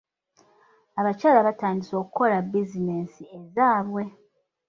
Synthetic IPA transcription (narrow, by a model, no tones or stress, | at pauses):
aβacaːlaβataːndiso̞ːkuko̞labizine̞ːsiezaːβwe̞